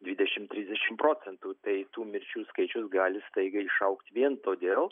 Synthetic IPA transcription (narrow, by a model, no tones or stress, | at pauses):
d̪ʲʋʲid̪ʲɛʃʲɪmt̪ʲɾʲiːzʲd̪ʲɛʃʲɪmpɾoːt͡s̪ʲɛnt̪uːt̪ɐɪt̪uːmʲɪɾʲt͡ʃʲuːskɐɪt͡ʃʲʊsɡɑːlʲɪst̪ɐɪɡɐɪʃɐʊkt̪ʲʋʲiɛnt̪oːd̪ʲeːlˠ